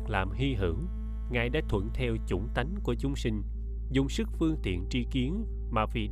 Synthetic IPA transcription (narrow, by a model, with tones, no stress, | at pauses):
k̚laː˨˩mɦi˧ɦɨ˧˩əŋ | ŋaː˨˩jɗa̰ː˧˥t̪ʰwə̰˧˩nt̪ʰɛ˧wt͡ɕʊ˧˩ŋ͡mt̪a˨˦jŋku˧˩ət͡ɕʊ˨˦ŋ͡msï˧ŋ̟ | zʊ˨˧˩ŋ͡msɨ˦˥k̚fɨ˧əŋt̪ḭ˧˨ənt͡ɕi˧ki˨˦ən | maː˨˩vḭ˨˩